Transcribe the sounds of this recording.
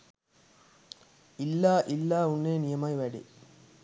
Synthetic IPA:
ɪlːaːʔɪlːaːʊnːeːnɪjɐmaːjʋeːɽḭ

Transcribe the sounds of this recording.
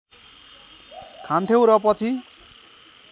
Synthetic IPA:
kʰant̪ʰjew̃ɾʌpʌt͡sʰi

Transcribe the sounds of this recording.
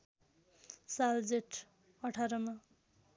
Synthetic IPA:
sald͡zeʈʰ | ʌʈʰaɾʌmã

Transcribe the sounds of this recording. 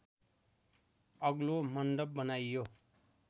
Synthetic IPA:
ʌɡlomʌnd̪ʌb̚ːʌnajjo

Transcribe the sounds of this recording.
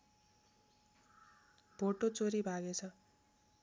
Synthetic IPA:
bʱoʈot͡soɾibʱaɡet͡sʰʌ

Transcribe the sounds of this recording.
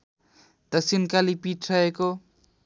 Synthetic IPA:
d̪ʌksinkalipiʈʰrʌeko

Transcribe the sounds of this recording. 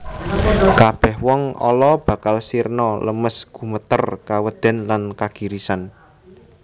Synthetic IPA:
kab̥ɛ̤hwɔŋɔ̰lɔb̥ä̤kalsirnɔləməsɡ̥ṳmət̪ərkawəd̪̥ɛ̤nlankaɡ̥i̤ɾisan

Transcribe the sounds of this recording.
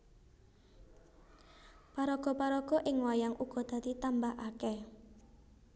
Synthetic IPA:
paɾɔɡ̥ɔ̤paɾɔɡ̥ɔ̤ʔɪŋwajaŋʔuɡ̥ɔ̤d̪̥ä̤t̪it̪ambahakɛ

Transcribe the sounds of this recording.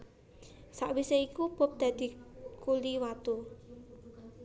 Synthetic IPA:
saʔwiseikub̥o̤p̚d̪̥ä̤d̪̥i̤kuliwat̪u

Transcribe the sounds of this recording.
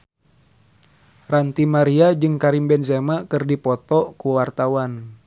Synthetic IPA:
rant̪imaɾiad͡ʒɨŋkaɾimbɛnsɛmakɨrdipɔt̪ɔkuwart̪awan

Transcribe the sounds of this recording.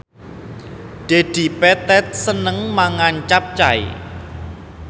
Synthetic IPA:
ɖ̥ed̪̥i̤pɛt̪ɛt̪̚sənəŋmaŋant͡ʃap̚t͡ʃaḭ

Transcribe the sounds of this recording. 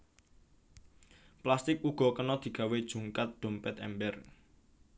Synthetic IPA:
plast̪ɪk̚uɡ̥ɔ̤kənɔd̪̥i̤ɡ̥ä̤wed̥ʒ̥ṳŋkat̪̚d̪̥o̤mpɛt̪ɛ̰mbɛr

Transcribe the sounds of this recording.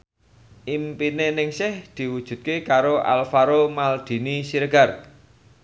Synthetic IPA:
ʔimpinenɪŋsɪhd̪̥i̤wud̥ʒ̥ṳt̪̚kekaɾoʔa̰lfaɾomald̪̥i̤nisiɾəɡ̥a̤r

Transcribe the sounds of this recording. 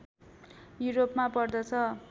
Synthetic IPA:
juɾopmapʌrd̪ʌt͡sʰʌ

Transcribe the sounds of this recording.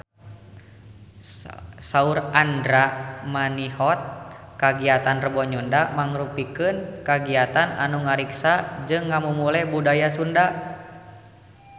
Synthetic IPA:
saurandɾamaniɦɔt̪̚kaɡiat̪anrəbɔɲundamaŋɾupikɨnkaɡiat̪ana̰nuŋaɾiksad͡ʒɨŋːamumulɛbudajasunda

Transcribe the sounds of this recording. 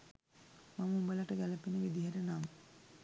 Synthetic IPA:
maməumbəlaʈəɡæləpinəʋid̪iɦæɾenaːmə

